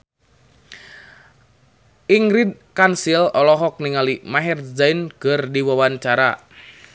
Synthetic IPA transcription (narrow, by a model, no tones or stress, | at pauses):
ʔiŋɡɾid̪̚kansilɔlɔɦɔk̚niŋalimaɦɛrzajnkərdiwawant͡ʃaɾa